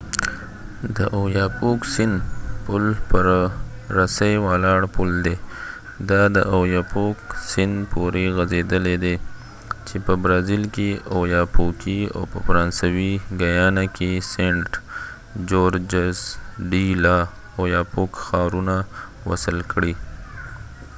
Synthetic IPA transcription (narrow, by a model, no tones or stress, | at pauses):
d̪əʔojɑpoksɪnd̪pʊlpəɾɾasajwɑlɑɽpʊld̪e | d̪ɑd̪əʔojɑpoksɪnd̪pʰoɾeɣazed̪əled̪e | t͡ʃepəbɾɑzilkeojɑpokia̰wpə̰faɾɑnsawiɡajɑnakʰeseɳʈ | d͡ʒoɾd͡ʒasɖilɑ | ojɑpokxɑɾuna | wa̰səlkɽi